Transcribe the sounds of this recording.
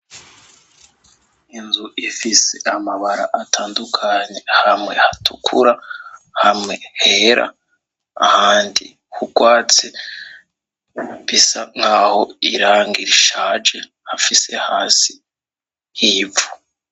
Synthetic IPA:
inzuʔifise̞ʔamaβaɾa̰ʔatʰaːndukʰaɲe̞hamŋe̞hatʰukʰuɾahamŋe̞heɾʔa̰ | a̰haːndi | hukwaːt͡se | βisaŋhaːho̞iɾaːŋɡiɾiʃaːd͡ʒe̞ | hafisehaːsi̥ | hiːvu

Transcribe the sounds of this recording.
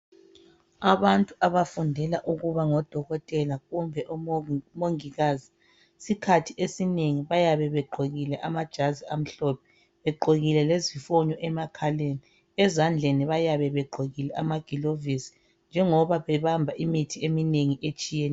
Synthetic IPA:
aβantʼuʔaβafundʱɛlaʔuɣuβaŋɔd̥ʱɔɣɔtʼɛlaɣumbʱɛʔɔmoŋiɣaːzi | sikʰatʰiʔesineŋiβajaβɛβɛɡ͡ǃʱoɣilɛʔamad̥ʒ̥ʱaziam̩ɬɔpʰɛ̥ | βɛɡ͡ǃʱoɣilɛlezifɔɲɔʔɛmakʰaleːni | ɛzand͡ɮʱeniβajaβɛβɛɡ͡ǃʱoɣilɛʔa̰maɡ̥ʱilovisi̥ | nd͡ʒʱɛŋɔβaβɛβambʱaʔimitʰiemineŋiʔet͡ʃʼijenɛ

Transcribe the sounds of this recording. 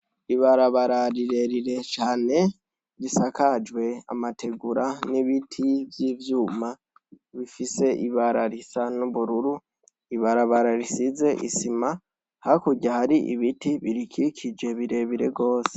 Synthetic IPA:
iβaɾaβaɾaɾiɾe̞ɾiɾe̞t͡ʃaːne̞ | ɾisakad͡ʒwe̞a̰matʰe̞ɡuɾaniβitʰivjiːvjuːma | βifise̞ʔiβaɾaɾisanuβuɾuɾu | iβaɾaβaɾaɾisize̞ʔisima | hakuɟahaɾiʔḭβitiβiɾikikʰid͡ʒe̞βiɾe̞βiɾe̞ɡo̞ːse̥

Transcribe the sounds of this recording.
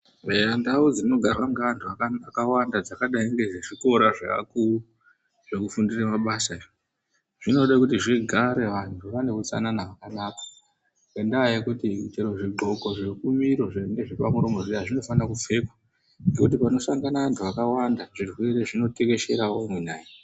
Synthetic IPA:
eandaud͡zirino̞ɡʱarwaŋɡeantʰuaakawandad͡zakaɗaiŋɡe̞ʐeʐiko̞ɾaʐa̰a̰kuu | ʐ̥e̞kufundiramaɓasa | ʐ̥ino̞ɗakutiʐiɡʱaɾe̞ʋantʰuʋane̞ut͡sa̰nanaʋakanaːkḁ | ŋwendaajekutit͡ʃeɾoʐiɡ͡ǃʱo̞ko̞ʐekumiɾo̞ʐeŋɡeʐipamuɾomo̞ʐiaʐino̞fanakup͡fe̞kwa | ŋɡe̞kut̬ipano̞saŋɡanaʋantʰuʋakawandaʐirwe̞ɾe̞ʐino̞teke̞ʃe̞ɾaominaːji

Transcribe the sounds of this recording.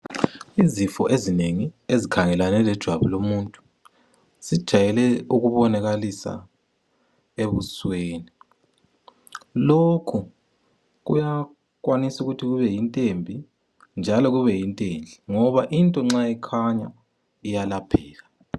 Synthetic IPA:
izifɔʔezineŋiezikʰaŋɛlanɛlɛd̥ʒ̥ʱwaβulomuntʼu̥ | z̥id̥ʒ̥ʱajɛlɛuɣuβɔnaɣalisa̰ | eβusweːni | lokʰu | ɣṵja | kwanisuɣutʰiɣuβɛjintʼembʱi | nd͡ʒʱalɔɣuβɛjintʼend͡ɮʱiŋɔβaʔintʼɔŋ͡ǁaɛkʰaɲa̰ | ijalapʰɛːla

